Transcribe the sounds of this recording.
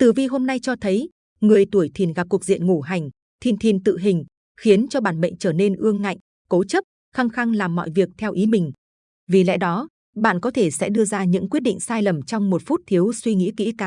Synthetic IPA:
t̪ɨ˨˩vi˧ɦo˧mna˧jt͡ɕɔ˧t̪ʰə˨˦j | ŋɨ˨˩əjt̪u˧˩əjt̪ʰi˨˩nɣa˨˩p̚kk̚zḭ˧˨ənŋo˧˩ɦa˨˩jŋ̟ | t̪ʰi˨˩nt̪ʰi˨˩nt̪ɨ̰˧˨ɦï˨˩ŋ̟ | xi˨˦ənt͡ɕɔ˧ɓaː˧˩nɓə̰˧˨jŋ̟t͡ɕəː˧˩ne˧nʔɨ˧əŋːa̰˧˨jŋ | ko˨˦t͡ɕə˦˥p̚ | xaː˧ŋxa˧ŋlaː˨˩mːɔ̰˧˨jvi˨˩ək̚t̪ʰɛ˧wʔi˨˦mï˨˩ŋ̟ | vi˨˩lɛ̰ː˧˨jɗɔ˨˦ | ɓa̰ː˧˨nkɔ˨˦t̪ʰe˧˩sɛ̰˧˥ɗɨ˧əzaː˧ɲɨ̰˧˥ŋkwi˦˥ət̚ɗḭ˧˨ŋ̟saː˧jlə˨˩mt͡ɕɔ˧wŋ͡mmo˨˩t̚fu˦˥t̚t̪ʰi˨˦əwswi˧ŋḭ˧˥kḭ˧˥kaː˨˦

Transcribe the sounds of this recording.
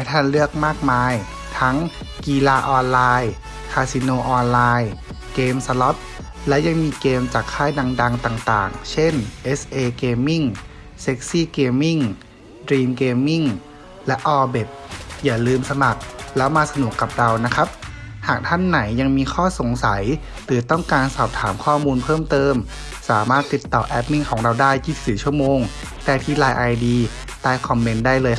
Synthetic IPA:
a˨˦jt̪ʰaː˥˩˨nlɯ˥˩ək̚maː˥˩k̚maː˧j | t̪ʰa˦˥ŋ | kiː˧laː˧ʔɔː˧nlaː˧j | kʰaː˧si˧noː˧ʔɔː˧nlaː˧j | keː˧msa˧lɔ˦˥p̚ | lɛ˦˥wja˧ŋmiː˧keː˧mt͡ɕaː˨˩kʰːaː˥˩jda˧ŋda˧ŋt̪aː˨˩ŋt̪a̰ː˨˩ŋt͡ɕʰe˥˩nʔe˦˥sʔeː˧keː˧mːi˥˩ŋ | se˦˥k̚siː˥˩keː˧mːi˥˩ŋ | dɾiː˧mkeː˧mːi˥˩ŋ | lɛ˦˥ʔɔː˧be˨˩t̪̚jaː˨˩lɯː˧msa˧ma˨˩k̚lɛː˦˥wmaː˧sa˧nu˨˩əkːa˨˩p̚ɾa˧wna˦˥kʰa˦˥p̚haː˨˩k̚t̪ʰa˥˩nːa˩˦jːa˧ŋmiː˧kʰɔː˥˩so˨˩˦ŋsa˩˦j | lɯː˨˦t̪ɔ˥˩ŋkaː˧nsɔː˨˩p̚t̪ʰaː˩˦mkʰɔː˥˩muː˧npʰɤː˥˩mt̪ɤː˧m | saː˩˦maː˥˩t̪ːi˨˩t̪ːɔː˨˩ʔɛ˦˥p̚ni˥˩ŋkʰɔː˩˦ŋɾa˧wdaː˥˩jki˨˦˩t̪̚siː˩˦t͡ɕʰu˥˩əmoː˧ŋ | t̪ɛː˨˩t̪ʰiː˧˩laː˧jʔa˧jdiː˧ | t̪aː˧jkʰɔ˧mːe˦˥ndaː˥˩jlɤː˧j

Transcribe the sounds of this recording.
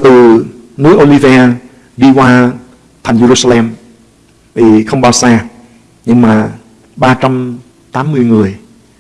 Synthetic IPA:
t̪ɨ˨˩nɨ˨˦əjʔo˧li˧vɛː˧ | ɗi˧kwaː˧ | t̪ʰŋ̟ze˧ɾu˧saː˧lɛ˧m | vi˨˩xə˧wŋ͡mɓaː˧˩wsaː˧ | ɲɨ˧ŋmaː˨˩ | ɓaː˧t͡ɕa˧m | t̪aː˨˦mːɨ˧əjŋɨ˨˩əj

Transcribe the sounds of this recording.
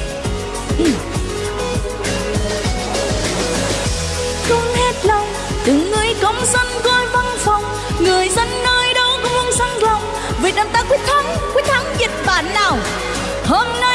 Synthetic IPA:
ʔ | kə˧ŋ͡mhe˦˥t̚lə˧wŋ͡m | t̪ɨ˨˩ŋɨ˧˩əjkə˨˦wŋ͡msə˧nko˧jva˧nfa˨˩wŋ͡m | ŋɨ˨˩əjzə˧nːoː˧jɗo˨˧˦kʊ˧˦ho˧nsa˧˦ŋlə˧˩wŋ͡m | ve˨˩ɗaː˨˩nt̪aː˧˥kwi˦˥ək̚t̪ʰə˨˦nkwi˦˥k̚t̪ʰə˨˧˦nzi˨˩k̚ɓa̰ː˧˨nːaː˨˩w | ho˧mna˧

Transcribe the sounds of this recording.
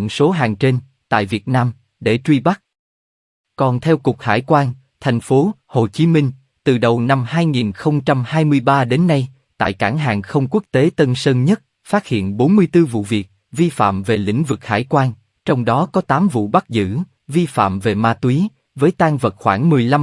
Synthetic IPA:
ŋso˨˦ɦaː˨˩ŋt͡ɕe˧n | t̪a̰ː˧˨jvi˨˩ət̚naː˧m | ɗe˧˩t͡ɕwi˧ɓa˦˥k̚ | kɔ˨˩nt̪ʰɛ˧wkʊ˨˩k͡p̚ha̰ː˧˩jkwaː˧n | t̪ʰɛ˨˩jŋ̟fo˨˦ho˨˩t͡ɕi˨˦mï˧ŋ̟ | t̪ɨ˨˩ɗə˨˩wna˧mhaː˧jŋi˨˩nxə˧wŋ͡mt͡ɕa˧mhaː˧jmɨ˧əjɓaː˧ɗe˨˦nːa˧j | t̪a̰ː˧˨jka̰ː˧˩ŋɦa̰ː˨˩ŋxə˧wŋ͡mku˦˥ək̚t̪e˨˦t̪ə˧nsəː˧nɲə˦˥t̚ | faː˦˥t̚hḭ˧˨ənɓo˨˦nmɨ˧əjt̪ɨ˧vṵ˧˨vi˨˩ək̚ | vi˧fa̰ː˧˨mve˨˩lḭ˧˥ŋ̟vɨ˨˩k̚ha̰ː˧˩jkwaː˧n | t͡ɕɔ˧wŋ͡mɗɔ˨˦kɔ˨˦t̪aː˨˦mvṵ˧˨ɓa˦˥k̚zɨ̰˧˥ | vi˧fa̰ː˧˨mve˨˩maː˧t̪wi˨˦ | vəː˨˦jt̪aː˧ŋvə˨˩t̚xwaː˧˩ŋmɨ˨˩əjla˧m

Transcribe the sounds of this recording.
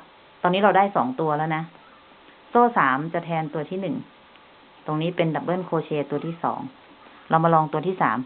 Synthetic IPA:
t̪ɔː˧nːiː˦˥ɾa˧wdaː˥˩jsɔː˩˦ŋt̪u˧ɐlɛ˦˥˩wna˦˥ | soː˥˩saː˩˦mt͡ɕa˨˩t̪ʰɛː˧nt̪u˧ɐt̪ʰiː˥˩nɯ˨˩ŋ | t̪o˧ŋniː˦˥pe˧nda˨˩p̚bɤː˥˩nkʰoː˧t͡ɕʰeː˧t̪u˧ɐt̪ʰiː˥˩sɔ̰ː˩˦ŋ | ɾa˧wmaː˧lɔː˧ŋt̪u˧ɐt̪ʰiː˥˩saː˩˦m

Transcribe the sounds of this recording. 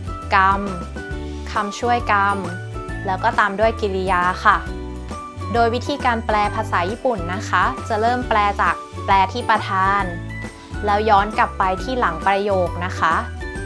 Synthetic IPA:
ka˧m | kʰa˧mt͡ɕʰu˥˩əjka˧m | lɛː˦˥wkɔː˥˩t̪aː˧mdu˥˩əjki˧li˦˧jaː˧xʰa˥˩ | doː˧jwi˦˥t̪ʰiː˧kaː˧nplɛː˧pʰaː˧saː˩˦jiː˥˩pu˨˩nːa˦˥kʰa˦˥t͡ɕa˨˩ɾɤː˥˩mplɛː˧t͡ɕaː˨˩k̚plɛː˧t̪ʰiː˥˩pɾa˧t̪ʰaː˧n | lɛː˦˥wjɔː˦˥nkla˨˩pːa˧jt̪ʰiː˥˩la˩˦ŋpɾa˧joː˨˩k̚na˦˥kʰa˦˥ʔ

